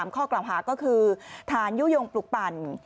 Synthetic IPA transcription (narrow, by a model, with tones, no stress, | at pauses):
mkʰɔː˥˩klaː˨˩wɦaː˩˦kɔː˥˩kʰɯː˧t̪ʰaː˧njuː˦˥˩jo˧ŋplu˨˩k̚pa˨˩n